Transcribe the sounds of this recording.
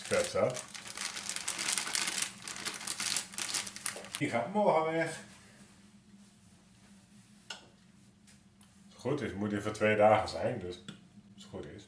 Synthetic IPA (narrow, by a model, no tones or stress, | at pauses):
kɛtsa | diχaːtmɔɹχəʋɛχ | tχutɪsmutɪfəːtʋeːdaːχəzɛjndøstχutɪs